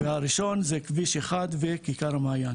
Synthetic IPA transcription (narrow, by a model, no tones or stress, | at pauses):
veaɾiʃo̞nzekviʃeχad̪vekikaɾamaːjan